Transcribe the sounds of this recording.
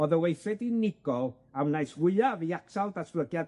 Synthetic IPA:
ɔðəwejθɛdinɪɡɔlˠ | awnajswɪɨaviaksalˠdasblˠəɡjad

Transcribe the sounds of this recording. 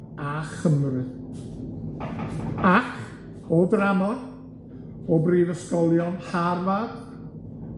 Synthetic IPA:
aχəmrɨ | aχ | ɔdramɔn | ɔbriːðəskɔlˠjɔnharvad

